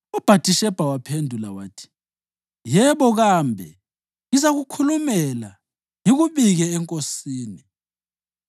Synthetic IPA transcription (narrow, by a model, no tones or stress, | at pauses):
ɔb̥ʱatʼiʃɛb̥ʱawapʰendʱulawaːtʰi̥ | jɛβɔɣambʱɛ | izaɣukʰulumɛla | jiɣuβiɣɛːŋkʼosiːni